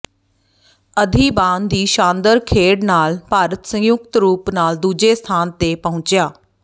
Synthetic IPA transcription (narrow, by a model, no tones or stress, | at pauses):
əd̪ʱiːbãːnd̪iːʃãːnd̪əɾkʰeːɽnaːlpaːɾət̪sə̃ŋjʊkt̪ɾuːpnaːld̪uːd͡ʒeːst̪ʰaːnt̪eːpəɦʊ̃t͡ʃjaː